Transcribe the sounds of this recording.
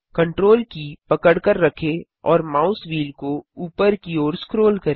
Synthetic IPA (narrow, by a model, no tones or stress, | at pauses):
kɐ̃ɳʈɾoːlkipɐkəɽkəɾːɐkʰe | ɔːɾmaːʊsʋiːlkouːpəɾkioːɾskɾoːlkɐɾe